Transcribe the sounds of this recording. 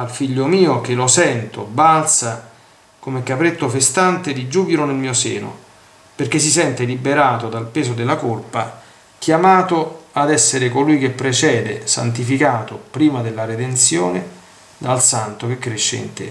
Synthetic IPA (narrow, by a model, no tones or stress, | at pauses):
alfiʎːomiːok̟elosɛnt̪obalt̪sa | komekːapɾet̪ːofest̪ant̪ed̪id͡ʒuːbiɾonelmiːosḛːno̰ | perkes̬isɛnt̪elibeɾaːt̪od̪alpeːzod̪elːakolpa | k̟jamaːt̪ʊad̪ɛsːeɾɪkolujk̟epːɾet͡ʃɛːd̪ḛsa̰nt̪̬ifikaːt̪opɾiːmad̪elːaɾed̪ent̪sjoːnɪ | d̪alsant̪ok̟ekːɾeʃːḛḭnt̪ḛ